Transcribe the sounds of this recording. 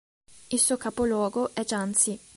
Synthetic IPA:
ilsuːokapolwɔːɡoʔɛd͡ʒant̪si

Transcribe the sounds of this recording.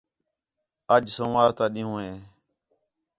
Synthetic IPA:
əd͡ʒsõːʋaːɾt̪ãːɗɪ̃ːũːɦẽː

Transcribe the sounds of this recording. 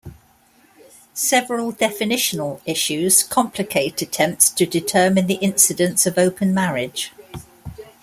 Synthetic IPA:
sɛvəɹəlˠdɛfɪnɪʃənəlɪʃʉz̥kʰɒ̃mpʰlɪkʰeɪtʰətʰɛ̃mp̚tstʰədɪtʰɜːmɪ̃nðiʔɪ̃nsɪdə̃ntsəvəʊpʰə̃nmaɹɪd̥ʒ̥

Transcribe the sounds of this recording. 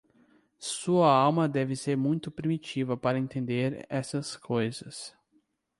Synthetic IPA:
suɐawmɐd̪ɛvɪseɾmũj̃t̪ʊpɾimit͡ʃivɐpaɾɐẽnt̪ẽnd̪eɾɛ̰sɐskʰojzɐs

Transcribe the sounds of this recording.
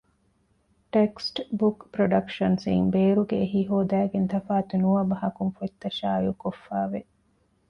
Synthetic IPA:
ʈeksʈbukpɾoɖɐkʃɐnsḭŋbeːɾuɡeːɦiɦoːd̪æːɡent̪ʰɐfaːt̪unuʋɐbɐɦɐkunfuit̪ːɐʃaːjukofːaːʋe

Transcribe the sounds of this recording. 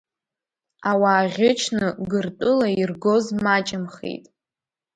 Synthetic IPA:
awaːʁʲɪt͡ʃʰnɨɡɨrtʼɨlairɡo̞zmat͡ʃʼɪmχḛjtʼ

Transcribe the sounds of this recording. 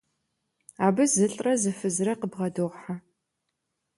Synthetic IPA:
aːbɨzɨɬʼrɐzɨfɨzrɐqəbʁɐdoʁħa

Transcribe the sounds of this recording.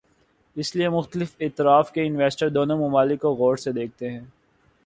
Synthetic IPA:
ɪsliemʊxt̪əlɪfɪːt̪ɪɾaːfkeɪnʋɛːsʈəɾd̪oːnomʊmaːlɪkːoɣoːɽsed̪eːk̚ʰt̪eɦɛ̃ː

